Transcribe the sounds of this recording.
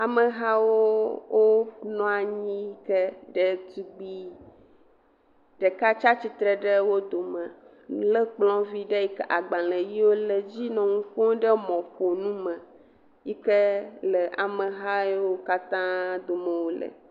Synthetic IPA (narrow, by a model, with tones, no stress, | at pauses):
a˨mə˨ɦa˦wo˦wʔo˦nɔ̃˦a˨ɲĩ˦kə˦ɖə˦t̪u˦ɡ͡bi˦ | ɖə˨ka˦t͡ʃa˦t͡ɕi˦t̪ɾə˨ɖə˦wo˦d̪o˨mə̃˨ | lə˦k͡plɔ̃˦vi˦ɖə˦ji˦kə˦ʔa˨ɡ͡bã˨lə˨ji˦wo˦lə˨d͡ʑi˦nɔ̃˨ŋũ˦kɔ̃˦ɖə˦mɔ̃˨ɸo˨nũ˦mə̃˨ | ji˦kə˦lə˨ʔa̰˨mə˨ɦa˦wo˦ka˦t̪ã˦d̪o˨mə̃˨wo˦lə̰˨